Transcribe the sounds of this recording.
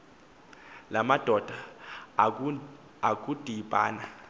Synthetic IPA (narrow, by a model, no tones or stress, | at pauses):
lamad̥ʱɔd̥ʱa | ak̬ʼud̥ʱipʼaːna